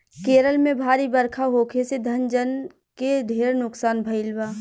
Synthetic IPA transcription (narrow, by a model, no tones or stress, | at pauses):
keːɾəlmẽbʱaːɾibəɾkʰaɦoːkʰesed̪ʱɐnd͡ʒən | ked̪ʱeːɾnʊksaːnbʱəɪlbaː